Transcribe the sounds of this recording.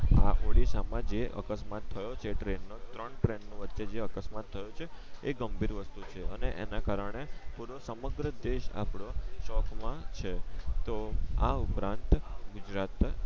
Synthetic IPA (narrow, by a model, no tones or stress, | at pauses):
a̰ʔoɽisamãd͡ʒeə̰kəsmat̪ʰːəjot͡ʃʰeʈɾenːot̪ɾəɳʈɾenːoʋətːt͡ʃed͡ʒeəkəsmat̪ʰːəjot͡ʃʰeːɡəmbiɾʋəst̪ut͡ʃʰeəneʔḛnakaɾəɳ̃epuɾosəməɡɾəd̪eʃa̰pɽoʃɔkʰmãt͡ʃʰet̪oaupɾãnt̪ɡud͡ʒɾat̪